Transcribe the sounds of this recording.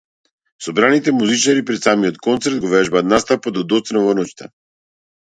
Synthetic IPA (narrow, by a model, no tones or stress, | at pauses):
sɔbɾanit̪ɛmuzit͡ʃaɾipɾɛt̪samiɔt̪kɔnt̪sɛɾt̪̚ɡɔvɛʒbat̪nast̪apad̪ɔd̪ɔt̪snavɔnɔt͡ʃt̪a̰